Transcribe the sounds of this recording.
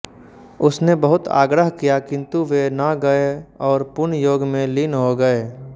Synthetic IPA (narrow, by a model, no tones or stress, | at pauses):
ʊsnebəɦʊt̪ʰa̰ːɡɾəɦkijakɪ̃nt̪uʋenaɡɐeɔːɾpʊnjoːɡmẽlɪnɦoɡəeː